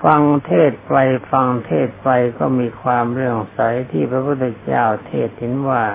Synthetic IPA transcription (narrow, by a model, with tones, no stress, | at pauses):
fa˧ŋt̪ʰeː˥˩t̪̚pa˧j̚fa˧ŋt̪ʰeː˥˩t̪̚pa˧jkɔː˥˩miː˧kʰwaː˧mɾɯ˥˩əŋsa˨˩˦jt̪ʰiː˥˩pʰɾa˧pʰu˥˩t̪ʰːa˧t͡ɕaː˥˩wt̪ʰeː˥˩t̪̚hi˩˦nwaː˥˩